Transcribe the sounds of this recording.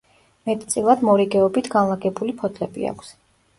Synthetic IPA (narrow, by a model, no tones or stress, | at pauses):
mɛt̪ʼt̪sʼilˠad̪mɔɾiɡɛɔbit̪ʰɡanlˠaɡɛbulipʰɔt̪ʰlɛbḭa̰kʰs